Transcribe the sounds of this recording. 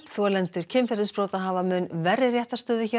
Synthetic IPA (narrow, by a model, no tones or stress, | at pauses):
θɔlɛnt̪ʏɾ̥cʰɪnfɛɾðʏspɾoːwt̪aɦavamʏnvɛrːɪrjɛht̪ḁst̪œːðʏçɛ